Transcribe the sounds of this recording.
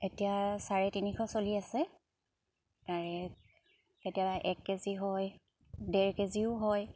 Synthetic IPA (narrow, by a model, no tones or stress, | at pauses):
etijasaɹɛtinikʰɔsoliasɛ | taɹɛ | etijabaʔɛkːeziɦɔj | dɛɹkeziʊɦɔj